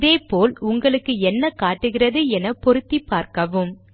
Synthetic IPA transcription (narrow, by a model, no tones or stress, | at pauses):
ðeːpoːlʊŋɡɐɭɯkːɯɛnːɐkaːʈːɯɣɪrɐðɯɛnɐpɔɾɯt̪ːipːaːɾkɐʋɯm